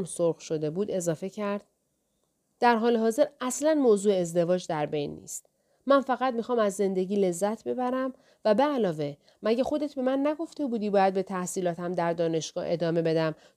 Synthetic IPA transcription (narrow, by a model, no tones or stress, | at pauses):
msoɾxʃo̞d̪e̞buːd̪e̞zɒːfe̞cʰæɾd̪̥̚ | d̪̥æɾɦɒːleɦɒːze̞ɾæslænmoːzuːeezd̪e̞vɒːd͡ʒd̪æɾbe̞jnːḭːst̪̚ | mænfæɣæt̪̚mixɒːmæzːe̞nd̪e̞ɟiːle̞zːæt̪ʰbe̞bæɾæm | væbeælɒːve̞ | mæɟexo̞d̪e̞t̪ʰbe̞mænːæɡo̞ft̪e̞buːd̪iːbɒːjæd̪̚be̞t̪ʰæhsiːlɒːt̪ʰæmd̪æɾd̪ɒːne̞ʃɡ̥ɒ̰ːhe̞d̪ɒːme̞be̞d̪æm